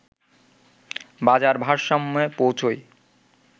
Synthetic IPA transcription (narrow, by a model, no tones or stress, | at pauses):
bad͡ʑaɾbʱaʃːɔmːɔepowt͡ɕʰoj